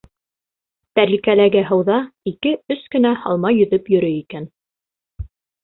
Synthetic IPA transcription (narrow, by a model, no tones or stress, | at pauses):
t̪æɾlikælæɡæɦɤ̆wðɑikɘɵskɵ̆næhɑ̰lˠmɑjɵ̆ðɵpjɵ̆ɾɵikæn